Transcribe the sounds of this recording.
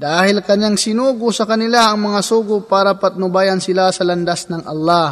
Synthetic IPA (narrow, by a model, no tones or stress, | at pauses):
d̪aːhɪlkɐɲjaŋsɪnuːɡʊsɐkɐnɪlaʔɐŋmɐŋasuːɡʊpaːɾapɐt̪̚nʊbajansɪlasɐlɐnd̪asnɐŋʔɐ̰lːah